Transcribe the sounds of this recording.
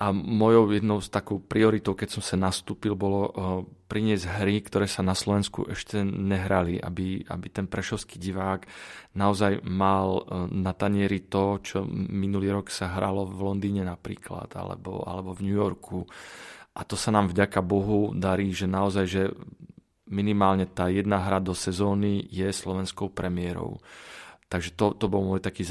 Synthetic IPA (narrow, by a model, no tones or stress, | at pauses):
ʔamɔjɔʊjɛd̪nɔʊst̪akɔʊpɾiɔɾit̪ɔʊkɛcsɔmsanast̪uːpilbɔlɔpɾiɲɪɛzɟɦɾikt̪ɔɾɛːsanaslɔʋɛnskṵʔɛʃcɛɲɛɦɾaliʔa̰bia̰bit̪ɛnpɾɛʃɔʊskiːɟiʋaːɡnaɔzajmalnat̪aɲɪɛɾit̪ɔt͡ʃɔminuliːɾɔksaɦɾalɔvvlɔnd̪iːɲɛnapɾḭːkla̰t̪a̰lɛ̰bɔ̰a̰lɛbɔvɲujɔɾkʰu | ʔat̪ɔsanaːmvɟakabɔɦud̪aɾiːʒɛnaɔzajʒɛ | minimaːlɲɛt̪aːjɛd̪naɦɾad̪ɔsɛzɔːnijɛslɔʋɛnskɔʊpɾɛmɪɛɾɔ̰ʊt̪aɡʒɛt̪ɔt̪ɔbɔlmɔjt̪akiː